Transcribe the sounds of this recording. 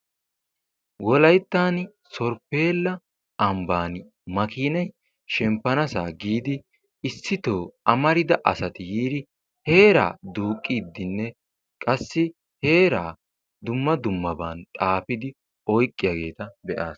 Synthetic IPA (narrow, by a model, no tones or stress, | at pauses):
wɔlɐjt̪ːaːn | sɔɾpe̞ːlːɐ | ʔɐmbaːn | mɐkiːnɐj | ʃɛmpːɐnɐsaːɡiːd̪ɪ | ɪsːɪt̪oːʔɐmɐɾɪd̪ɐʔɐsɐt̪ɪjiːd̪ɪ | he̞ːɾa̰ːd̪uːkʼːid̪ːɪnːɛ | kʼɐsːɪ | he̞ːɾaː | d̪ʊmːɐd̪ʊmːɐbaːnt̪ʼaːpɪd̪ɪ | ɔjkʼːɪjaːɡe̞ːt̪ɐbɛʔaːs